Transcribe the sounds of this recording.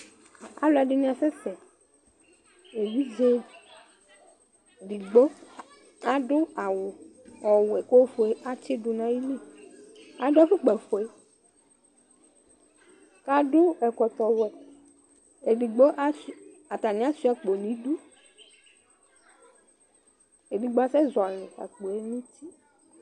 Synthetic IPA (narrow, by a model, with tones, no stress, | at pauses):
a̰˨lo˨˦a˨ɖi˦nĩ˦ã˨sɛ˦sɛ˨ | e˨vi˦d͡ʒe˦ | ɖi˨ɡ͡bo˦ | a˨ɖo˦a˨wo˨ | ɔ˨wo˨ɛ˨ko˦fo˨e˦ʔa˦t͡ɕe˦ɖu˨nã˦ji˦li˦ | a˨ɖo˦a˦fe˦k͡pɛ˨fo˨e˦ | ka˦ɖo˦ɛ˨kɔ˨t̪ɔ˨wɛ˨ | e˨ɖi˨ɡ͡bo˦ʔa˦s | a˨t̪a˨nĩ˦a˦si˦a˨k͡po˨nĩ˦ɖu˦ | e˨ɖi˨ɡ͡bɔ˦a˦sɛ˦zɔ˨le˨a̰˨k͡po˨e˦nĩ˦t̪i˦